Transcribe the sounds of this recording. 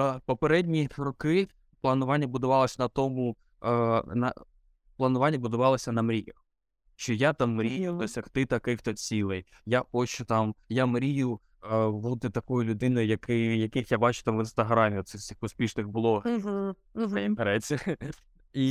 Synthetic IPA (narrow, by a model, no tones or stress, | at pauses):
pɔpeɾɛdʲnʲiɾɔkɪ | plˠɐnʊʋɑnʲːɐbʊd̪ʊʋɑlˠɐsʲɐnɐt̪ɔmʊ | nɐ̰ | plˠɐnʊʋɑnʲːɐbʊd̪ʊʋɑlˠɔsʲɐnɐmɾʲijɐx | ʃt͡ʃɔjat̪ɑmːɾʲijʊɔsʲɐxt̪ɪt̪ɐkɪxt̪ɔt͡sʲilˠɛj | japɔt͡ʃʊt̪ɑmjamɾʲijʊ | lˠɔd̪ɪt̪ɐkɔjʊlʲʊd̪ɪnɔjʊjɐkɪjɐkɪxjabɑt͡ʃʊ̥t̪amʋɪnst̪ɐɦɾɑmʲiɔt̪sɛsʲixpɔspʲiʃnɪxbʊlˠɔɦ̩ | ɦpɐɾɛt͡sʲːɛ | i